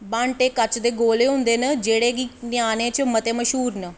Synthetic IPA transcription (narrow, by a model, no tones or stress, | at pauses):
bãːɳʈeːkət͡ʃd̪eːɡoːleːɦʊ̃nd̪eːnəd͡ʒeːɽeːɡinɪjaːnẽːt͡ʃəmət̪eːməʃɦuːɾnə